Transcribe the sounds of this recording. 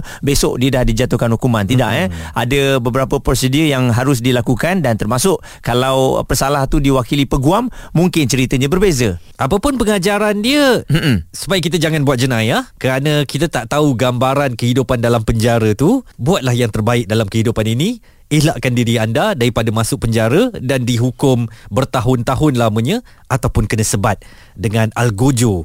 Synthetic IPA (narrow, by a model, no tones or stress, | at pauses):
besɔʔdiədahdid͡ʒat̪uhkanhukumãnt̪ida̰ʔəa̰dəbəbəɾapəpɾosədiəjaŋɦaɾʊs̬dilakukandant̪ərmasʊʔ | kalawpərsalaht̪udiwakilipəɡuamːuŋkɪnt͡ʃəɾit̪əɲãbərbezəʔapəpʊnpəŋad͡ʒaɾandiəm̩sə̥pajik̬it̪ad͡ʒaŋanbuat̪̚d͡ʒənajahkəɾanə̃kit̪at̪aʔt̪auɡambaɾankəɦidupandalampəɲd͡ʒaɾət̪ubuat̪̚lahjaŋt̪ərbaɪk̚dalamkəɦidupaninĩ | ihlaʔkandiɾiandadaɾipadamasʊʔ̚pəɲd͡ʒaɾədandiɦukʊmbərt̪aɦʊnt̪aɦʊnlaməɲə̃ | at̪awpʊnkənə̃səbat̪̚ | dəŋãnalɡod͡ʒo